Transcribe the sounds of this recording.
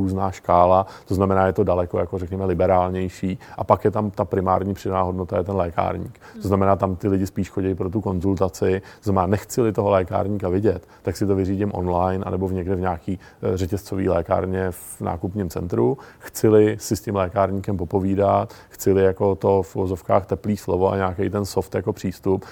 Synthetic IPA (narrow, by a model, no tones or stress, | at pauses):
uːznaːʃkaːlat̪oznamɛnaːjɛt̪o̞dalɛko̞jakorɛkɲɛmɛlɪbɛɾaːlɲɛjʃiːʔapakjɛt̪amt̪apɾɪma̰ːɾɲiːpr̥ɪdanaːɦo̞dno̞t̪ajɛt̪ɛnlɛːka̰ːɾɲḭːk | t̪oznamɛnaːt̪amt̪ɪlɪɟɪspiːʃxoɟɛjpɾo̞t̪̬uko̞nzult̪at͡sɪt̪oznamɛnaːnɛxt͡sɪlɪt̪oɦo̞lɛːka̰ːɾɲiːkavɪɟɛt̪ːaksɪt̪o̞vɪriːɟɪmʔo̞̰nlajnʔa̰nɛbo̞vɲɛɡdɪvɲaːkiː | rɛcɛst͡so̞vḭːlɛːka̰ːɾɲɛf | na̰ːkupɲɪmt͡sɛ̰nt̪ɾuxt͡sɪlɪsɪscɪmlɛːkaːɾɲiːkɛmpo̞po̞viːdat̪xt͡sɪlɪjako̞t̪o̞fuvozo̞fka̰ːxt̪ɛpliːslo̞vo̞ʔa̰ɲaːkɛjt̪ɛnso̞ft̪jako̞pr̝̥iːst̪up